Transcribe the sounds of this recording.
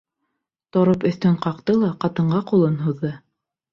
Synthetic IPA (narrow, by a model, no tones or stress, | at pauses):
t̪ŏɾɤpɵ̆θt̪ɵɴqɑqt̪ɤlˠɑqɑt̪ɤ̆ɴɢɑqulˠɤnɦuðːɤ